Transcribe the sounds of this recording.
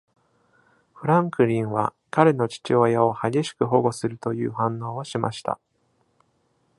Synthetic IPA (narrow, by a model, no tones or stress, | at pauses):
ɸɯ̟ɾãŋkɯ̟ɾʲĩɰ̃βa̰ | kaɾe̞no̞t͡ɕi̥t͡ɕio̞jaohaɡʲe̞ɕi̥kɯ̟ɦo̞ɡo̞sɨɾɯ̟t̪o̞jɯ̟ːɦãnːo̞ːoɕima̰ɕi̥t̪a̰